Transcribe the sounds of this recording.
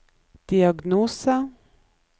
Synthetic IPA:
d̪̥iaɡnuːsa

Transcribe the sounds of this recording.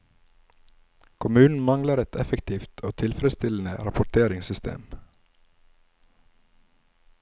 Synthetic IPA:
kʰʊmʉːnn̩mɑŋləɾɛt̪ʰɛfəkt̪ʰiːft̪ʰoːt̪ʰɪlfɾəst̪ɪln̩ə̰ɾɑpʊʈ̪ʰeːɾɪŋsʏst̪ʰḛːm

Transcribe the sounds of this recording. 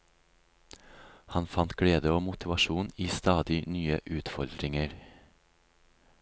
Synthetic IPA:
hɑnfɑnt̪ɡ̥ɽeːd̪əoːmʊt̪ʰɪʋɑʃuːniːst̪ɑːd̪ɪnyːəʔʉːt̪fɔɾd̪ɾɪŋəɾ

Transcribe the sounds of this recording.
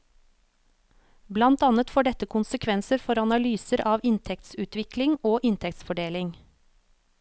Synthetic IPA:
blɑnt̪ɑːnət̪foːɖɛt̪əkʰʊnsəkʰʋɛnsəɾfɔɾɑnɑlyːsəɾʔɑːʋɪnt̪ʰɛk̚t̪sʉːt̪ʋɪklɪŋoːʔɪnt̪ʰɛkt̪sfɔɖeːlɪŋ

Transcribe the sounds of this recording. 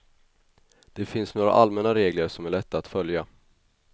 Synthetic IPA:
d̪̥ɛfɪnsnoːɾa̰ʔalmɛnːaɾeːɡləɾʂɔmæɭɛt̪ʰːaːt̪fœlja

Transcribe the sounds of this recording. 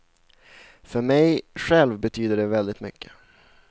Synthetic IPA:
fœɾmɛjɧɛlvbɛt̪ʰyːd̪əɖɛvɛld̪ɪt̪mʏ̰kʰːə̥

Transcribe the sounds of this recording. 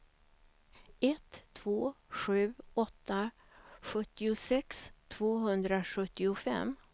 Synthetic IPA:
ɛt̪ʰːv̥oːɧʉ̟ːɔt̪ːa | ɧɵt̪ːɪʊsɛkst̪ʰv̥oːɦɵnd̪ɾaɧɵt̪ːɪʊfɛ̰m

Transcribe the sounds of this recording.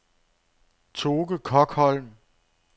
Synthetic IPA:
t͡sʰo̝ːɡ̥əkʰɒ̽ɡ̥hɒ̽l̰m

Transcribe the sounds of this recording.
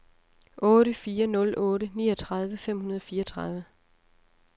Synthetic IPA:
ʔɔ̽ːɾəfiːɐnɔ̽lʔɔːɾənḭːɒt͡sʰʁɑ̈ð̞ˠʋəfem̰hunɐð̞ˠɒfiːɐt͡sʰʁɑð̞ˠʋə

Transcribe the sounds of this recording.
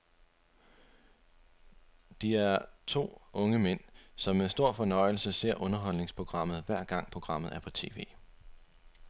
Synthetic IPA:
d̥iæɐt͡sʰo̝̰ːɔ̽ŋəmen̰sɒ̽mːesd̥o̝ɐ̰fɒ̽nɒ̽ɪl̩səse̝ɐ̰ʔɔ̽nɐɦɒ̽l̰ne̝ŋspʰʁo̝ɡ̥ʁɑ̈m̰ð̞̩ˠʋæɐ̰ɡ̥ɑ̈ŋ̰pʰʁo̝ɡ̥ʁɑ̈m̰ð̩ˠæɐpʰɒ̽t͡sʰe̝̰ːʋe̝̰ː

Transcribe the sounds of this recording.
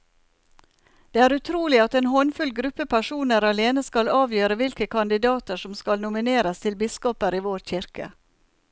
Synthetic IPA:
d̪̥eːæːɾʉt̪ʰɾuːlɪɑt̪eːnhɔnfʉlɡɾʉpəpʰæʂuːnəɾɑleːnəskɑlɑːʋjøːɾəʋɪlkəkʰɑnd̪ɪd̪ɑːt̪əʂɔmskɑlnʊmɪneːɾəst̪ʰɪlbɪskɔpəɾiːʋoːɾçɪɾkə̰

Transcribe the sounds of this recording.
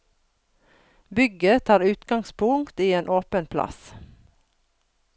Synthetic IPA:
bʏɡət̪ʰɑːɾʉːt̪ɡɑŋspʰʊŋkt̪iːeːnʔoːpənpʰlɑ̰s

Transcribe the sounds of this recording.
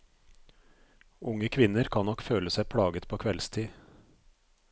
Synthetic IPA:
ʊŋəkʰʋɪnəɾkʰɑnnɔkføːləsæɪpʰɽɑːɡət̪pʰoːkʰʋɛlst̪ʰiː

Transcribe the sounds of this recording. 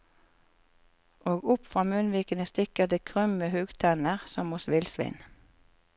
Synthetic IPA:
ʔoːɡʊpfʁɑːmʉnʋiːkənəst̪ɪkəd̪eːkʰʁʏməhʉːɡt̪ʰɑnəʁsɔmʊsʋɪlsʋɪ̰n

